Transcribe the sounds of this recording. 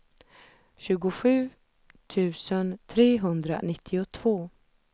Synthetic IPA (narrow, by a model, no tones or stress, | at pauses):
ɕʉ̟ːɡʊɧʉ̟ː | t̪ʰʉ̟ːsənt̪ʰɾeːɦɵnd̪ɾa̰nɪt̪ʰːɪʊt̪ʰv̥oː